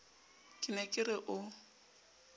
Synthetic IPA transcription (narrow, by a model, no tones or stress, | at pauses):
kʼɪnɛkʼɪrɪʔʊ